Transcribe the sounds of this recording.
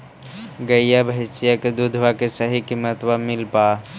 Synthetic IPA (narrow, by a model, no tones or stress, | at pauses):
ɡɐijabʱəɪt͡ʃijaked̪ud̪ʱwakesəɦikimːət̪wamɪlpaː